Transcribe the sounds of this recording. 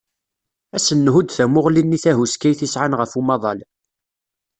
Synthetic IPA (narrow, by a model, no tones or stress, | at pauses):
æsənːɦud̪θæmʊʁlinːiθæɦuskæjθisʕanʁəfumɑðˤɑl